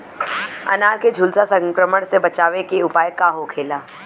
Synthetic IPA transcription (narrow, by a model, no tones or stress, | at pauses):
ɐ̰naːɾked͡ʒʱʊlsasə̃ŋkɾəməɽsebɐt͡ʃaːʋekeʊpaːjəkaɦokʰeːlaː